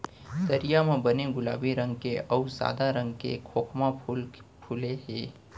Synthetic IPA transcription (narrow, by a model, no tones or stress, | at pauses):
d̪ɐɾijamẽbɐneɡʊla̰ːbiɾɐ̃ŋɡkeɐuza̰ːd̪aɾɐ̃ŋɡkḛkʰoːkʰmaʊlpʰuleɦeː